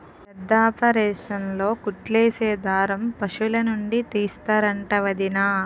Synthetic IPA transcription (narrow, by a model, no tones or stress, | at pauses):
pɛd̪ːaːpɐɾɛːʂɐmlo̞ːkuʈleːseːd̪aːɾɐmpɐʂulɐnuɳɖit̪iːst̪aːɾɐɳʈɐʋɐd̪inaː